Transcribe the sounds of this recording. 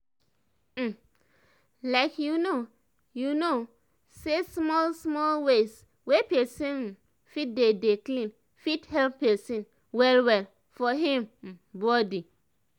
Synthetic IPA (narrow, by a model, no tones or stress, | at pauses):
laɪkjuno | juno | sesmɔlsmɔlwes | wepɛsĩn | fit̚dedeklĩn | fithɛlpːɛsĩn | wɛlwɛl | fɔɦĩm̩bɔdi